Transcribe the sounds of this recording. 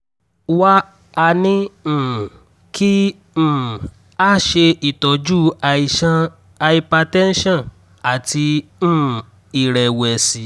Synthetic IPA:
wa˦ | a˧nĩ˦˨ | kʰĩ˦˨ | a˦˨ʃe˧ʔi˨tɔ˨d͡ʒu˦˧i˧ʃã˧ | a˧i˧pa˧tɛ̃˦n̩˦ʃã˦˨ | a˨tĩ˧˦˨ | i˨ɾɛ˨wɛ˨si˨˦

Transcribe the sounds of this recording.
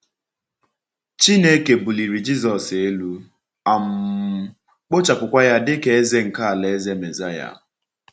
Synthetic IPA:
t͡ʃi˦ne˦ke˨bu˨li˨ɾi˨d͡ʒi˦zɔ˨se˦lu˦ | a˨m̩˨˦ | k͡po˦t͡ʃa˨pʊ˨kʷa˦ja˦dɪ˦ke˨e˦ze˦ŋ̩˨ka˦a˨le˨˦ze˦me˨za˦ja̰˦

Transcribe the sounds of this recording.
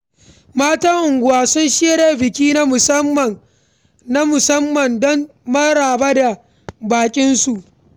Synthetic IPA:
maː˦tɐ˦ŋʔʊ˨ŋɡʷʊ˦waː˦sʊ˦nʃi˦ja˦ɾa˦bɪ˨kʲiː˦na˦mʊ˨sɐ˦mːɐ˨ | na˦mʊ˨sɐ˦mːɐ˨ndɔ˦n | mɐ˦ɽaː˨ba˦da˨ | baː˨kʲʼɪ˦nsu˨ʔ

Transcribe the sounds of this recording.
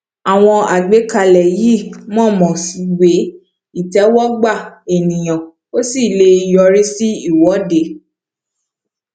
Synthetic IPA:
a˨w̃ɔ̃˧a˨ɡ͡be˨˦ka˧lɛ˨ji˦˨mɔ̃˦˨mɔ̃˨si˨˧˦we˨˦ | i˦˨tɛ˨˦wɔ˦ɡ͡ba˦˨e˨nĩ˨j̃ã˨ | o˦si˦˨le˧i˨jɔ˧ɾi˦si˦i˦˨wɔ˨˦de˨

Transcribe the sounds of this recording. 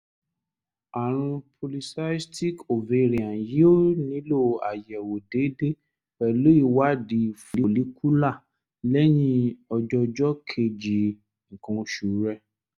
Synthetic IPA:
a˨ɾ̃ũ˧pʰo˧li˧sa˦ti˦ko˨ve˧˨ɾĩ˨ã˨ji˦o˦nĩ˨˦lo˦˨a˨jɛ˨wo˨de˨˦de˦ | ɛ˨lo˦i˦˨wa˦di˨˦fu˨li˦li˨˦kʰu˦la˦˨ | lɛ˦j̃ĩ˧ɔ˧d͡ʒɔ˧d͡ʒɔ˦kʰe˧˨d͡ʒi˨ | ŋ̩˨kã˧ʃu˨ɾɛ˧˦

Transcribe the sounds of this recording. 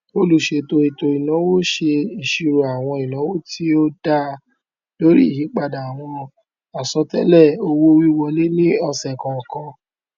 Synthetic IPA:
o˦lu˨ʃe˧to˧i˨to˧i˨nã˨˦wo˦ʃe˧i˨ʃi˧ɾu˨a˨w̃ɔ̃˧i˨nã˨˦wo˦ti˦o˦da˦˧ | lo˦ɾḭ˦i˦˨hĩ˨˦k͡pa˧˨da˨a˨w̃ɔ̃˧ | a˨sɔ˧˦tɛ˦lɛ˦˨o˧wo˦wi˦wɔ˧le˦nĩ˦ɔ˧sɛ˨kã˨ɔ˨kɔ̃˧

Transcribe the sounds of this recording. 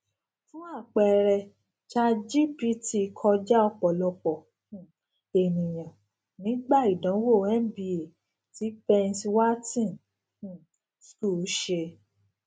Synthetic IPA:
fũ˦a˦˨k͡pɛ˧˨ɾɛ˧ | t͡ʃa˧d͡ʒi˦pi˦ti˧kʰɔ˧d͡ʒa˦ɔ˧k͡pɔ˨lɔ˧k͡pɔ̃˨ | e˨nĩ˨j̃ã˨ | nĩ˨˦ɡ͡ba˦˨i˨dã˨˦wo˦˨ɛ˦m˦bi˧e˨ | ti˨˦pɛ˧nswa˦tĩ˦˨ñ˨ | sku˦˨ʃe˧

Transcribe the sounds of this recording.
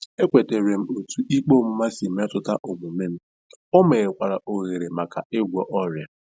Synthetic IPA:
e˦kʷe˨te˨ɾe˨m̩˦o˨tʰu˨ʔi˦k͡po˦m̩˦ma˦si˨m̩˦ɔ˦tʊ˦ta˦ʔo˨mu˨me˦m̩˦ | o˦me˨ɣe˨kʷa˨ɾa˨ʔo˨ɣe˨ɾe˨ma˨ka˨e˦ɡʷɔ˨ʔɔ˦ɾja˨

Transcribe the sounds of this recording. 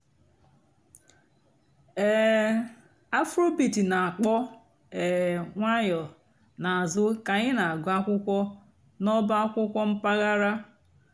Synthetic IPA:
ɛ˦˨ | a˦fɾo˦bi˨ti˨na˨a˨k͡pɔ˦ | ɛ˨ŋʷa˦jɔ˨ | na˨a˨zʊ˦ka˨ɲɪ˦na˨ɡʷa˦kʷʊ˦kʷɔ˦ | nɔ˦ba˦a˦kʷʊ˦kʷɔ˦m̩˦pa˦ɣa˦ɾa˦

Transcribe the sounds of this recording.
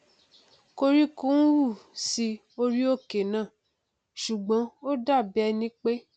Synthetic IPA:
ko˧ɾi˦ku˦wu˦˨si˧ | o˧ɾi˦o˦˨ke˨nã˦˨ | ʃu˨ɡ͡bɔ̃˨˦o˦da˦˨bɛ˦˧nĩ˦k͡pe˦

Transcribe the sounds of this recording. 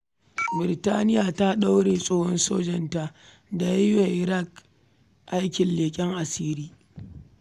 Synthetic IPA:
bɪ˨ɾɪ˨taː˦nɪ˦jaː˨ta˦ɗa˦wɽeː˨sʼoː˦hɔ˦nsoː˦d͡ʒɪ˨nta˦ | da˨ja˦jwa˨ʔɪ˨ɾa˦˨k | ʔa˦jkʲɪ˨nleː˨kʲʼɪ˦ŋʔa˨siː˦ɾiː˦

